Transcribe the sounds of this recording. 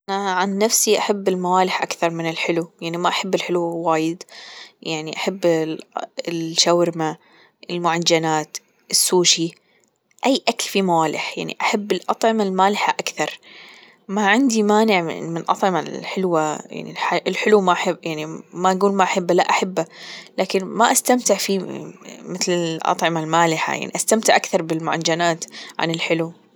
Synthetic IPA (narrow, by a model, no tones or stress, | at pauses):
ʔanaʕanːafsiʔaħabːɪlmawaːlɪħʔakθɑɾˤmɪnɪlħɪlujaʕnimaʔaħabːɪlħɪluwaːjɪd̪jʔaʕniʔaħabː | ɪlʃawɾma | ʔɪlmʊʕad͡ʒanaːt̪ | ʔɪsːuːʃi | ʔajːʔaklfimawaːlɪ̰ħja̰ʕnḭʔaħabːɪlʔɑt̪ˤʕɪmalmaːlɪħaʔakθɑɾˤ | maʕɪnd̪imaːnɪʕ̰mɪnʔɑt̪ˤʕɪmalħɪlwaja̰ʕnḭlħaʔɪlħɪlumaʔaħɪbjaʕnimaʔaɡuːlmaʔaħɪbːalaʔaħabːalaːkɪnmaʔast̪amt̪ɪʕfi | mɪθlɪʔɑ̰t̪ˤʕɪmalmaːlɪħa̰ja̰ʕniʔast̪amt̪ɪʕʔakθɑɾˤbɪlmʊʕa̰d͡ʒanaːt̪ʕa̰nɪlħɪlu